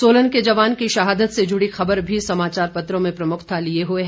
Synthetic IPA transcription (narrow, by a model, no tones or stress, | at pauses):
soːlənked͡ʒɐʋaːnkiʃɐɦaːd̪ət̪sed͡ʒʊɽixɐbəɾbʱisɐmaːt͡ʃaːɾpɐt̪ɾõmẽpɾɐmʊkʰt̪ʰalieɦueɦ